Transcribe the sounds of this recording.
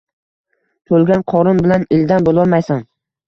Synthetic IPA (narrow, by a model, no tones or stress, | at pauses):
t̪ʰolˠɡʲanqʰɒɾʊnbɪlanɪld̪anbolˠɒlˠmajsam